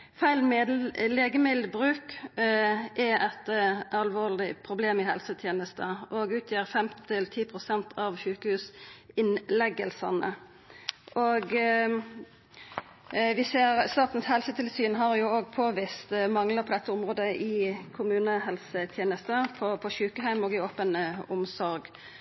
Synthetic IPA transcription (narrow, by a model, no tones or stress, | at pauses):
fæɪlmleːɡəmɪd̪bʁʉːk | ʔɛʔɛt̪ɑlʋoːʁlɪpʰʁʊbleːmɪhɛlsət̪ʰjeːnəst̪əʔɔɡʉːt̪ʰjiːʁfɛmt̪t̪ʰɪlt̪ʰiːpʰʁʊsɛnt̪ʰɑʋʃʉːkəhʉːsɪnlɛɡəlsɑnə̰ | ʔoɡ | ʋɪseːʁst̪ɑːt̪n̩shɛlsət̪ʰɪlsyːnɦɑʁjʊoːɡpʰoːʋɪst̪mɑŋləpʰɔd̪ɛt̪ʰːəʊmʁoːd̪əʔɪkʰʊmʉːnəɦɛlsət̪ʰjeːnəst̪əpʰɔpʰɔɕʉːkəɦæɪmɔːɡɪoːpənəʊmsɔɾɡ